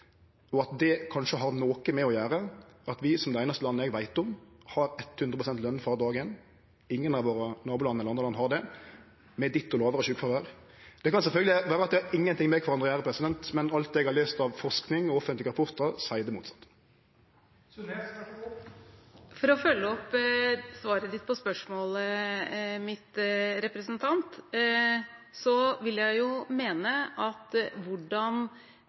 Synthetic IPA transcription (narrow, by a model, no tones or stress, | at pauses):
ɔɑt̪d̪ɛkʰɑnʂəɦɑɾnoːkəmɛɔjæːɾəɑt̪ʋɪsɔmd̪ɛæɪnɑst̪əlɑnːəɛɡʋæɪt̪ʊmhɑɾɛt̪ːhʉnɾəpʰʊsɛnt̪lœnːfɑd̪ɑːɡɪɛnː | ɪŋːənɑʋoːɾənɑːbulɑnəɛlːɾɑnd̪ɾlɑnːəhɑɾd̪ɛ | mɛd̪ɪt̪ːɔlɑːʋəɾəɕʉːkfɑʁʋəɾ | d̪̥ɛkɑnsɛlfœlɡ̪əlɪʋæːɾəɑt̪̚d̪ɛhɑɾɪŋːənt̪ʰɪŋmɛkʰfɔɾɑnd̪ʁəjæːɾəpʰɾɛsɪd̪ɛnt̪mɛnɑlt̪̚d̪ɛɛɡhɑʁløːst̪ɑʋfɔʁsknɪŋɔɔfənlɪɡəʁɑpʰʊʁt̪əʁsæɪd̪əmṵːt̪sɑt̪ː | fɔɾɔfœlːəɔpːsʋɑːɾəd̪ɪt̪ːpʰɔspœʂmoːlə | mɪt̪ɾɛpɾəsənt̪ʰɑnt̪ | sɔʋɪljæɪjʊmeːnəʔɑt̪ʋʊɖɑn